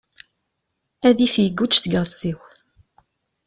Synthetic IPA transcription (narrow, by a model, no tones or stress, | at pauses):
æðifjəɡːut͡ʃːsəɡəʁsiw